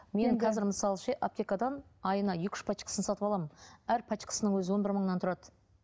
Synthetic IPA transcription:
me̞ŋqʰɑzɪɾməsɑlˠʃeʔap̚t̪ʲekad̪ɑnɑjənɑjʏkʲɪ̥ʃpʰɑt͡ʃkə̥sənsɑt̪əpɑlˠɑmənæɾpʰɑt͡ʃkə̥sənəɴwɵzɪwo̞nbɪɾməɴənɑnt̪ʰʊɾɑd̪ə

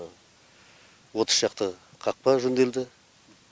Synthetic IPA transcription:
wo̞t̪ə̥sʒɑqt̪ə | qʰɑq̚pɑʒʏnd̪e̞ld̪ɪ

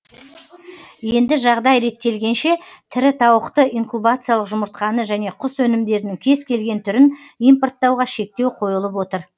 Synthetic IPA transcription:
je̞nd̪ɪʒɑʁd̪ɑjɾe̞t̪ːe̞lɡʲe̞nʃe̞t̪ʰɪɾɪt̪ʰɑwəqt̪əʔiŋkubat̪sɨjalˠəqʒʊməɾt̪̚qɑnəʒæne̞qʰʊswɵnɪmd̪e̞ɾɪnɪŋkʲʰe̞zkʲʰe̞lɡʲe̞nt̪ʰʏɾɪn | ijmport̪ːɑwʁɑʃe̞k̚t̪e̞wqʰo̞jəlˠəp̬wo̞t̪əɾ

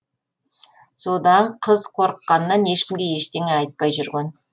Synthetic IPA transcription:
so̞d̪ɑɴqʰəzqʰo̞ɾəqːɑnəːɑne̞ʃkʲɪmɡʲe̞je̞ʃt̪e̞ŋeɑjt̪̚pɑjʒʏɾɡʲen

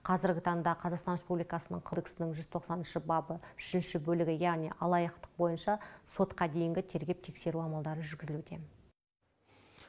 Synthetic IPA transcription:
qʰɑzɪɾɡʲɪt̪ʰɑɴd̪ɑqʰɑzɑqst̪ɑnrɾe̞spublijkɑsənə̰ɴqʰod̪eksɪnɪŋʒʏzt̪ʰo̞qsɑnɪnʃɪbɑbəʏʃɪnʃɪbɵlɪɡʲɪjæʁniʔɑlˠɑjəqt̪ə̥q̚bo̞jənʃɑso̞t̪qɑd̪e̞jɪŋɡʲɪt̪ʰe̞ɾɡʲe̞p̚t̪ʰe̞kse̞ɾuɑmɑlˠd̪ɑɾəʒʏɾɡʲɪzɪluet̪e̞m

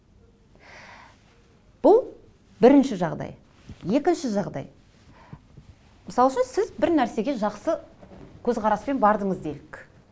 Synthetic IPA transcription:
b̥ʊlˠ | bɪɾɪnʃɪʒɑʁd̪ɑ̰j | je̞kʲɪnʃɪʒɑʁd̪ɑ̰j | mɪsɑlˠʃənsɪzbɪɾnæɾse̞ɡʲe̞ʒɑqsəkʲʰɵzʁɑɾɑspe̞nbɑɾd̪əɴəzd̪elɪkʲ

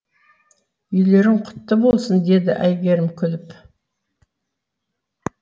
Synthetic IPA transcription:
ʏjle̞ɾɪɴqʰʊ̥t̪ːəbolˠsənd̪e̞d̪ɪʔæjɡʲe̞ɾɪmkʲʰʏlɪp

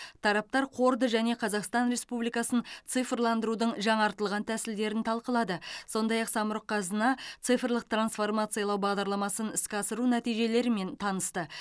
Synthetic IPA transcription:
t̪ʰɑɾɑp̚t̪ɑɾqʰo̞ɾd̪əʒæne̞qʰɑzɑqst̪ɑnɾe̞spublijkɑsənt̪sɨfrlˠɑnd̪əɾud̪əɴʒɑɴɑɾt̪əlˠʁɑnt̪ʰæsɪld̪e̞ɾɪnt̪ʰɑlˠqəlˠɑd̪əso̞nd̪ɑjɑqsɑməɾəqʰːɑzənɑt̪sɨjfrlˠəq̚t̪ransfo̞rmɑt̪sɨjɑlˠɑwbɑʁd̪ɑɾlˠɑmɑsənɪskʲɑsəɾunæt̪ijʒe̞le̞ɾɪme̞nt̪ʰɑnəst̪ə

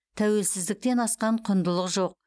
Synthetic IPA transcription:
t̪ʰæwe̞lsɪzd̪ɪk̚t̪e̞nɑsqɑɴqʰʊnd̪əlˠəqʒo̞q̚

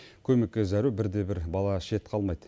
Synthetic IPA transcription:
kʲʰɵmekʲːezæɾubɪɾd̪e̞bɪɾbɑlˠɑʃe̞t̪qʰɑlˠmɑjd̪ə

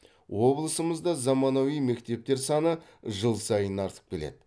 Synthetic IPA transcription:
wo̞blˠəsəməzd̪ɑzɑmɑnɑwijme̞kt̪e̞p̚t̪e̞ɾsɑnəʒəlˠsɑjənɑɾt̪ʰə̥p̚kʲʰe̞le̞̰d̪ɪ

